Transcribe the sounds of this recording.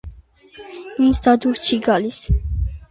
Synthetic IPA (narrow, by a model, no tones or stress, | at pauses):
minsd̪ad̪uɾt͡ʃʰiɡalis